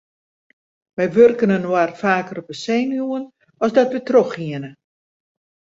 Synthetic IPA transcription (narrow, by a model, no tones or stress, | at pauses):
ʋɛjʋørkənənwarfaːkərɔp̚əseːnuən | ɔsdɔtʋətroxiənə